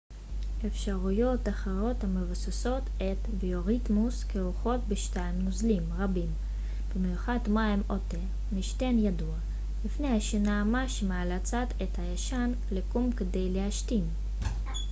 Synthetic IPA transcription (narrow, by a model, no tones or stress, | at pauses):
efʃaʁujo̞t̪aχeʁo̞t̪hamevasaso̞t̪ | et̪bioʁit̪muskeuχo̞t̪̚beʃt̪aimnuzlimʁabim | b̥emejuχad̪majimot̪e | miʃt̪enjad̪ua | lifnejhaʃenamaʃemaalat͡sat̪et̪hajaʃan | lekumked̪ejleaʃt̪im